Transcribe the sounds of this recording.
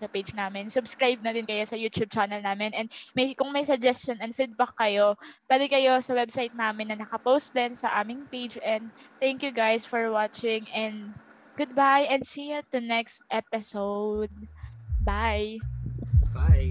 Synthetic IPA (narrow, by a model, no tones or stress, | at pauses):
sɐpejd͡ʒnaːmɪnsʊbskɹajb̚nɐd̪ɪnkɐjo̞sɐjuːt̪jub̚t͡ʃanɐlnaːmɪnʔɛnd̪̚mɐjkʊŋmɐjsɐɡ̚d͡ʒɛstt͡ʃonɐnfid̪̚bakːɐjopaːd̪ɪkɐjo̞sɐwɛbsajt̪̚naːmɪnːɐnɐkɐpowst̪̚d̪ɛnsɐʔaːmɪŋpejd͡ʒɛ̃nd̪̚ | t̪ɛ̃ŋkjuɡajsfɔɹwat͡ʃɪ̃ŋɛ̃nd̪ | ɡ̥ʊd̪̚bajʔɛ̃nd̪siɛt̪̚d̪ɐnɛkst̪ʔɛpɪsowd̪̚baj | baj